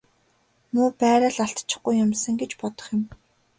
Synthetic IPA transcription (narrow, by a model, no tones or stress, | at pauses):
mʊːpæːɾaːɮaɬt̪t͡ɕɪ̥̆χɡujːʊmsə̆ŋɡet͡ɕpɔt̪ɞ̥̆χjɪ̆m